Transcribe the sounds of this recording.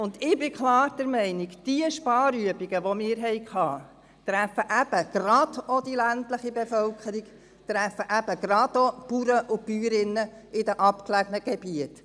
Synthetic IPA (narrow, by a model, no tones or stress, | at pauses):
ʊnd̪ɪbɪkʰlɑːɾd̥̪ɛɾmɛɪnɪkd̥iəʃpɑːɾyəbiɡəʋɔmɪːɾɦɛɪkʰhɑː | t̪ɾæfəʔæb̥əɡ̥ɾɑd̪̥od̥̪ilæntləχibefœlkʰəɾik | t̪ɾæfəʔæb̥əɡɾɑd̪opuɾəʔʊpyːɾɪnːə | ɪdəʔɑpklæɡənəɡ̥ebiət